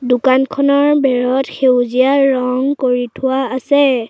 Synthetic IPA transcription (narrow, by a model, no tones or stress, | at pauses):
dʊkankʰɔnɔɹbɛɹɔtxewzijaɹɔŋkoɹitʰʊwaːsɛ